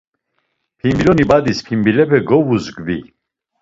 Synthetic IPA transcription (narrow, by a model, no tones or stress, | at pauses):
pʰimbilɔnibad̪ispʰimbilɛpʰɛɡɔvuzɡvi